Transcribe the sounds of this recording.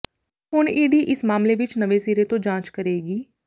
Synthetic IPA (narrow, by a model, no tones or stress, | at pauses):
ɦʊɳiːɖiːʔɪsmaːmleʋɪt͡ʃnəʋesiːɾet̪õd͡ʒãːt͡ʃkəɾeːɡiː